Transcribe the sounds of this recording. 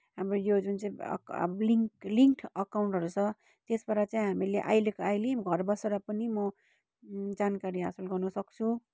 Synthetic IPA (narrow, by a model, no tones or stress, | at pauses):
ɦamrojod͡zunt͡sãḭ̃kbliŋliŋkʈʰʌkawɳʈɦʌɾut͡sʰʌ | t̪esbʌɾat͡sãĩɦamileʔa̰jlekoajleɡʱʌrbʌseɾʌpʌnimʌ | d͡zankaɾiɦasʌlɡʌrnʌsʌk̚t͡sʰu